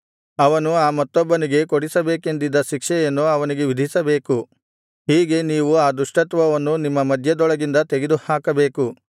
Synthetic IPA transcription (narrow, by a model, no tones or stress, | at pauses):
ɐʋɐnuaːmɐt̪ːɔbːɐniɡe̞koɽisɐbe̞ːke̞nd̪id̪ːɐʃikʂɛjɐnːuɐʋɐniɡe̞ʋid̪ʱisɐbe̞ːku | ɦiːɡe̞niːʋuaːd̪uʂʈɐt̪ʋɐʋɐnːunimːɐmɐd̪ʱjɐd̪ɔɭɐɡind̪ɐt̪eɡed̪uhaːkɐbe̞ːku